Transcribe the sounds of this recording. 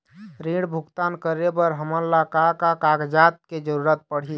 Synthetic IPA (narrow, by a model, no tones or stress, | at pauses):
ɾĩɽbʱuɡt̪ankəɾebəɾɦəmənlakakakaɡd͡ʒat̪̚ked͡ʒəɾuɾət̪̚pəɽ̤i